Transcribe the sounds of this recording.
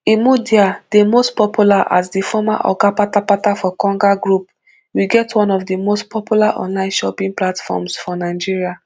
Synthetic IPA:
imudiad̥emostpɔpʰjulaʔa̰sdifɔma̰ʔɔ̰kapapapatafɔkɔ̃ŋɡaɡɹup̚ | wiɡɛtʰwɔ̃nɔfdimostpɔpjulaʔɔ̰̃nlãɪ̃nʃɔpĩŋplatfɔ̰msfɔnaɪd͡ʒiɹia

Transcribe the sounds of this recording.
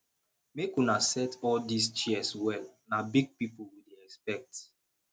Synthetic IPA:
mekunasɛtɔldist͡ʃiɛswɛlnabiɡ̚pipulwideɛkspɛk̚t

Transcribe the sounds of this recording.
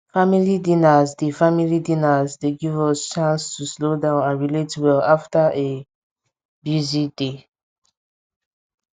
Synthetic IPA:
familidĩnazdifamilidĩnazdeɡivɔst͡ʃãnstʰuslodãʊ̃nãnɹiletwɛlaftaʔe | bjuzide

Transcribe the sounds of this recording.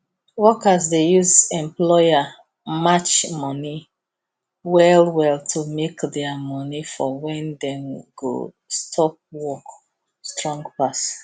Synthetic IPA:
wɔkazdejuzɛ̃mplɔja | mat͡ʃmɔni | wɛlwɛltʰumekdɛamɔnifɔwɛ̃ndɛ̃mɡo̰ | stʰɔp̚wɔk | stɹɔ̃ŋɡpas

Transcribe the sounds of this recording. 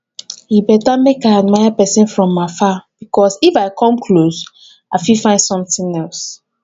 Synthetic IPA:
hibɛtamekãad̚majapɛsɛ̃nfɹɔ̃mːafab̥ikʰɔsifaɪkʰɔ̃mkʰlos | aɪfifãɪndsɔ̃mθĩŋɛls

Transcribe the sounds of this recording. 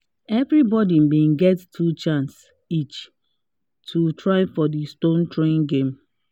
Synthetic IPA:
ɛvɾibɔdim̩bĩnɡɛttʰut͡ʃãns | it͡ʃ | tʰutɹaɪfɔdistõntɹẽnɡẽm

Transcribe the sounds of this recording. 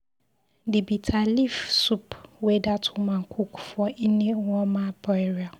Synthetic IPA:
dɪbitʰalifsupwɛdatʰʊmãŋ̩kʰukʰfɔʔinɪ̃wɔ̃mãbɔɛɾia

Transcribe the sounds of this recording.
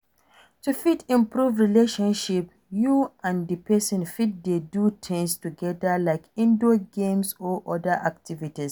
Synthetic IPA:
tufitĩmpɹuvɹileʃɔ̃nʃip | juãndipʰɛsɔ̃nfit̚dedutʰɪ̃ŋstuɡɛdəlaɪkĩndoɡẽmsɔʔɔdəʔak̚tivitis

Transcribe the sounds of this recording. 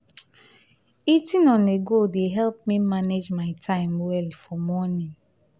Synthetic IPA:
itinɔneɡodeɦɛlp̚mimaned͡ʒmaɪtʰãɪ̃mwɛlfɔmɔnĩn

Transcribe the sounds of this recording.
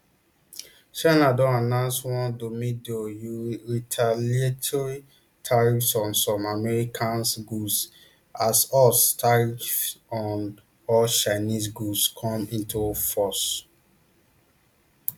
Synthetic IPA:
ʃãnadɔ̃anãʊ̃nswɔ̃ndomĩdojuɹitʰalietʰɔɹi | tʰaɹifsɔ̃nsɔ̃mamɛɹikʰãnsɡus | asɔstʰaɹiɔ̃n | ɔlʃãɪnisɡuskʰɔ̃mĩntʰufɔs

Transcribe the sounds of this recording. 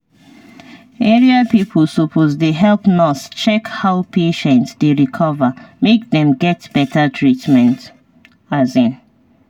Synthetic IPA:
ɛɹiapipʰlsopʰozdeɦɛlpnɔst͡ʃɛkhaʊpeʃɛ̃ntsdeɹikʰɔvəmek̚ðɛ̃mɡɛtb̥ɛtʰətʰɹitmɛ̃nt | azĩn

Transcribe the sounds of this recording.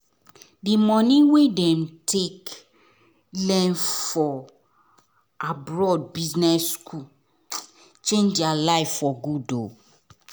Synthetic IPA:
dimɔ̃nĩwedɛ̃mtʰek | lɛ̃nfɔ | abɹɔd̚biznɛskʰu | t͡ʃẽnd͡ʒdialaɪffɔɡudo

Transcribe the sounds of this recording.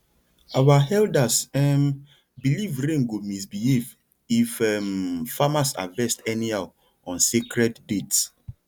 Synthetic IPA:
awahɛldasɛm | bilivɾẽŋɡumis̬biliv | ifɛmfamasa̰vɛstɛniaw | ɔ̃nsikɾɛtdets

